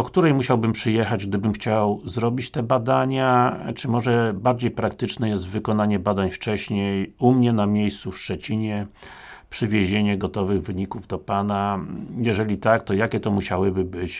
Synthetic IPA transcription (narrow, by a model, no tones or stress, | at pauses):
ɔkt̪uɾɛjmuɕawbɘmpʂɘjɛxad͡ʑɡd̪ɘbɘmxt͡ɕawzɾɔbʲit͡ɕt̪ɛbad̪aɲat͡ʂɘmɔʐɛbaɾd͡ʑejpɾakt̪ɘt͡ʂnɛjɛs̬t̪vɘkɔnaɲɛbad̪aɲft͡ʂɛɕɲejumɲɛnamʲjejst̪sufʂt͡ʂɛt͡ɕiɲɛ | pʂɘvʲjeʑeɲɛɡɔt̪ɔvɘɣvɘɲikuvd̪ɔpanajɛʐɛlʲit̪akt̪ɔjakʲɛt̪ɔmuɕawɘbɘbɘt͡ɕ